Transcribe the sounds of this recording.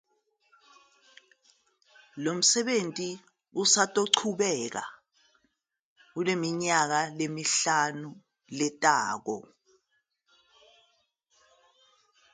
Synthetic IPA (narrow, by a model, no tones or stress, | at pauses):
lom̩sɛɓentʼi | usatʼoǀʰuɓɛk̬a̰ | k̬ulemiɲak̬alemiɬanu | lɛtʼaːk̬ɔ̰